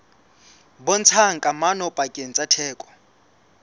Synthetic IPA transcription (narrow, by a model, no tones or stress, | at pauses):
bɔn̩t͡sʰaŋ̩kʼamanɔpʼakʼen̩t͡sʼatʰɛːkʼɔ̥